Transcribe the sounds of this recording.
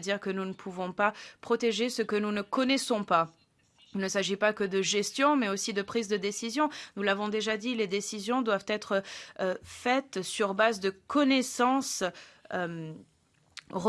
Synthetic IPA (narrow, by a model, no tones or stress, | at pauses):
d̪iʁkənunəpʰuvɔ̃papχɔt̪eʒesəkənunəkɔnɛsɔ̃pa | ilnəsaʒipakəd̪əʒɛst̪jɔ̃mɛosid̪əpχizd̪əd̪esizjɔ̃nulavɔ̃d̪eʒad̪iled̪esizjɔ̃d̪wavt̪ɛt̪χə | fɛt̪syʁbazd̪əkɔnɛsɑ̃søm | ʁ